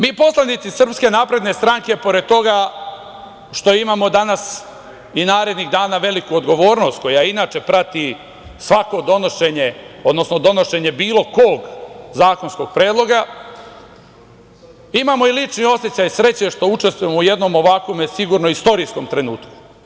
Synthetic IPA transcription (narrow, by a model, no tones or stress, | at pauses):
miːpo̞slˠanit̪sisr̩pske̞naːpɾe̞d̪ne̞st̪ɾaŋke̞po̞ɾe̞d̪̚t̪o̞ɡa | ʃt̪o̞imaːmo̞d̪anas | inaːɾe̞d̪niɣd̪aːnaʋe̞likuod̪ɡo̞ʋo̞ːɾno̞st̪̚ko̞jainaːt͡ʃe̞pɾat̪i | sʋako̞d̪o̞noʃeɲeo̞d̪nosno̞d̪o̞no̞ʃe̞ɲe̞biːloko̞ːɡzaːko̞nsko̞ɡ̥̚pɾe̞ːd̪lˠo̞ɡa | imamo̞ilit͡ʃnio̞sjet͡ɕajsɾe̞t͡ɕe̞ʃt̪o̞ut͡ʃe̞st̪vujemouje̞d̪no̞mo̞ʋakʋo̞mesiɡuːɾnoist̪o̞ɾisko̞mt̪ɾe̞nuːt̪ku̥